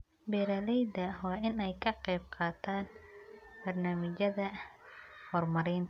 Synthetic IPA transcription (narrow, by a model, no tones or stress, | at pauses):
bɛːɾɐlɛjd̪ɐwɑːʔɪnɛjkʰɐqɛjb̚qʰɑːt̪ʰaːnbɐrnaːmɪt͡ʃɐðɐ | hɔrmɐɾɪːnt̪ʰɐ